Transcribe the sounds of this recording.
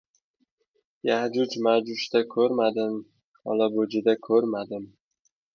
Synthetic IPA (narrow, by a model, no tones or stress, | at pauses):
jahd͡ʒʊd͡ʒmad͡ʒʊʃt̪akʲʰɵɾmad̪ɪm | ɒ̰labod͡ʒɪd̪akʰɵɾmad̪ɪm